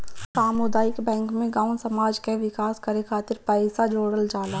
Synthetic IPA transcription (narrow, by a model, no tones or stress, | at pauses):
saːmod̪aːɪkbɛ̃ːŋkmẽɡãːʊnsɐmaːd͡ʒkeʋɪkaːskɐɾekʰaːt̪ɪɾpɛːɪsad͡ʒoːɽəld͡ʒaːlaː